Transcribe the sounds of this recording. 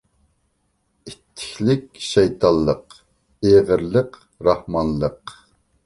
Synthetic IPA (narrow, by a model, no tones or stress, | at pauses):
it̪ʰːɪ̥kʲlɪkʲʃɛjt̪ʰɑlˠːəq | eʁəɾlˠəq | ɾɑhmɑnlˠəq